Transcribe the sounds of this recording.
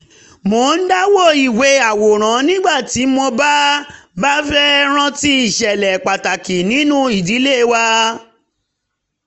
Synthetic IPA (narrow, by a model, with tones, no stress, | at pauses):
mo˨˦n̩˦da˦wo˦˨i˨we˨˧˦a˨wo˨ɾ̃ã˨˦nĩ˦ɡ͡ba˦˨ti˨˦mõ˧ba˦ba˦fɛ˦ɾ̃ã˧ti˧˦i˦˨ʃɛ˨lɛ˨k͡pa˨ta˨ki˨nĩ˨˦nũ˦i˦˨di˨˦le˦˨˧wa˦